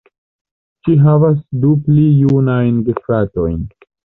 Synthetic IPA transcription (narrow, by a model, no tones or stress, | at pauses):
t͡ʃiɦavasduplijunajnɡefɾato̞jn